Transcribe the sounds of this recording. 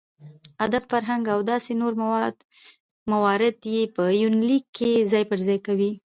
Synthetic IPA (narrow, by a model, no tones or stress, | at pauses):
ad̪abfaɾɦaŋɡawd̪ɑsenoɾ | mawɑɾɪd̪jepəjunlikʰːezɑjpəɾzɑjkawi